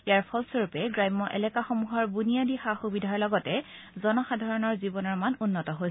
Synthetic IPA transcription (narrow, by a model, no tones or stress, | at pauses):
iaɹpʰɔlsoɹupɛɡɹajmːɔʔɛ̰lɛkaxomuɦɔɹbunijadixaxubidʱaɔlɔɡɔtɛ | zɔnɔxadʱaɹɔnɔɹzibɔnɔɹmanunːɔtɔɦoj